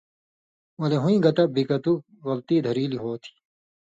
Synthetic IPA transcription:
wɐleɦũĩɡɐt̪ɐbʱikɐt̪u | ɣɐlt̪iːd̪ʱɐɾiːliɦoːt̪ʰi̥

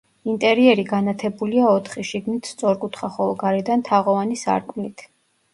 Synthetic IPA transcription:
int̪ʼɛɾiɛɾiɡanat̪ʰɛbuliaɔt̪ʰχiʃiɡnit̪ʰst̪sʼɔɾkʼut̪ʰχaχɔlˠɔɡaɾɛd̪ant̪ʰaʁɔvanisa̰ɾkʼmnit̪ʰ

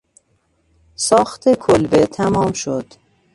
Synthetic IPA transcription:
sɒːxt̪ʰekʰolbet̪ʰæmɒːmʃod̪̥

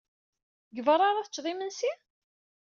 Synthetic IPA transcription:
ɡəvəɾˤɑɾˤaθət͡ʃːðˤimənsi

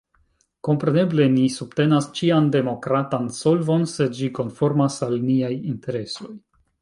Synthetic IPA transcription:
ko̞mpɾe̞ne̞ble̞nisubte̞nast͡ʃiande̞mo̞kɾatanso̞lvo̞nse̞d͡ʒiko̞nfo̞ɾmasalniajinte̞ɾe̞so̞j

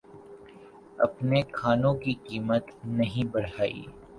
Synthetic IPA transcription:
ɐ̰pnekʰaːnõkikiːmət̪nɐɦĩbɐɽaːḭː

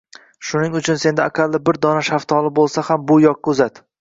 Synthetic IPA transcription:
ʃʊnɪŋʊt͡ʃʰʊnse̞nd̪aːkʲʰalˠːɪbɪɾd̪ɒnaʃaft̪ʰɒlˠɪbolˠsahambʊjɒq̚kɵzat̪

